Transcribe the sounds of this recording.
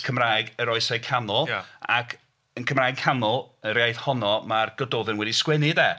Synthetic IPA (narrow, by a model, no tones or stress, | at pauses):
kʰəmraːjɡəɾɔɨsejkʰanɔlˠa̰kʰ | ənkʰəmraːjɡ̚kʰanʊlˠəɾajθhɔnɔmarɡ̥ədoːðɛnwɛdiskwɛnɪdɛː